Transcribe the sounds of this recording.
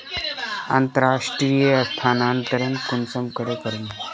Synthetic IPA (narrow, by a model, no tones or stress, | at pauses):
a̰nt̪əɾaʂʈɾiːjəəst̪ʰanant̪əɾənkunsəmkəɽekəɾun